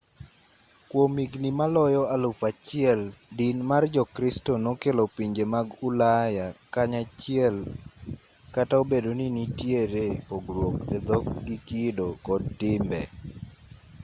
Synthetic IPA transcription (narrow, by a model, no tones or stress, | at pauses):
kwomiɡnimalɔjɔalʊfat͡ʃɪɛldinmard͡ʒɔkɾistonokelopiɲd͡ʒemaɡʊlajakaɲat͡ʃɪɛl | kataobedoninitjeɾepoɡɾwok̚ed̪ɔk̚ɡikidokɔdtɪmbɛ